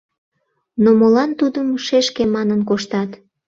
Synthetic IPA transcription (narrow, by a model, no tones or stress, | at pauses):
nomolɑnt̪ud̪əmʃeʃkemɑnənkoʃt̪ɑt̪